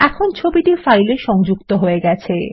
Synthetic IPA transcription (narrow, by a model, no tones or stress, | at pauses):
ɛkʰont͡ɕʰobit̪iɾfajleʃɔŋd͡ʑukt̪oɦoeɡɛt͡ɕʰe